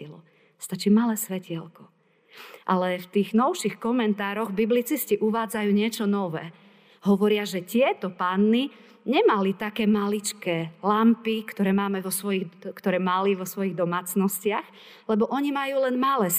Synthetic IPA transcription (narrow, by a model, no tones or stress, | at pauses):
ilɔ | st̪at͡ʃiːmalɛːsʋɛcɪɛlkɔ | ʔalɛft̪iːɣnɔʊʃixkɔmɛnt̪aːɾɔɣbiblit͡sisciʔuʋaːd͡zajuːɲɪɛt͡ʃɔnɔʋɛ̰ː | ɦɔʋɔɾɪaʒɛtɪɛt̪ɔpaːnːi | ɲɛmalit̪akɛːmalit͡ʃkɛːlampikt̪ɔɾɛːmaːmɛʋɔsʋɔjiɣkt̪ɔɾɛːmaliʋɔsʋɔjiɣd̪ɔmaːt͡snɔscɪax | lɛbɔʔɔɲimajuːlɛnmalɛːs